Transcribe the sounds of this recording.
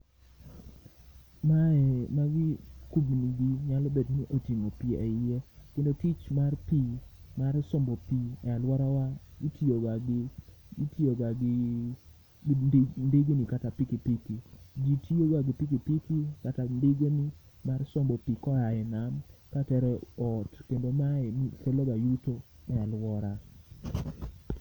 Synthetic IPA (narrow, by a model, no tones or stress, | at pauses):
maɛmaɡikubniɡiɲalɔbedniʔotiŋopiɛɪekendotit͡ʃmarpimaɾsɔmbɔpiɛalwɔɾawaɡitioɡaɡɪ | itioɡaɡi | ndiɡenikatapikipikid͡ʒitʰioɡaɡipikipikikatandiɡeni | marsɔmbɔpikɔaɛnamkatɛɾɔɔtkendomaɛnisɛloɡajuto | ɛalwɔɾa